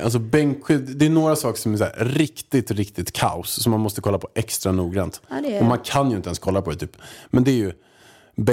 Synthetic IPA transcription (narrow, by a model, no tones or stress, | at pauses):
ʔa̰ls̬ɔbɛŋkɧʏd̪ɛːnoːɾasɑːkə̥ʂɔmæsæ̰ːɾɾɪkt̪ɪt̪ɾɪkt̪ɪt̪kʰa̰ʊssɔmːanmɔst̪əkʰɔlːapʰɔʔɛkst̪ɾanuːɡɾant̪ɔmankʰanjɪnt̪əɛnskʰɔlːapɔd̪ɛt̪ʰyːpmɛnd̪ɛæɾjɵ | b